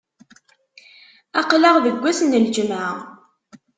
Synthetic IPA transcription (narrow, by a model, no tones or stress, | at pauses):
ɑqləʁðəɡʷːæsənːəld͡ʒəmʕa